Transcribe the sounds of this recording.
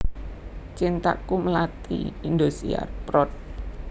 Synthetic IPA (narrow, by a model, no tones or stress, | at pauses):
t͡ʃint̪a̰kuməlat̪ḭind̪osḭa̰rpɾɔt̪̚